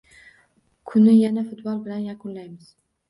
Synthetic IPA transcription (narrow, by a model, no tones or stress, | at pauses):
kʰʊnɪjanafɪt̪bɒlˠbɪlanjakʰʊnlajmɪz̥